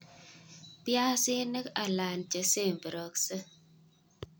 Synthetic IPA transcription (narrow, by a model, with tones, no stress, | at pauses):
pja˦si˦nə˦ka˨la˨nt͡ʃə˨se˦˨m˨bə˨ɾo˨ksə˦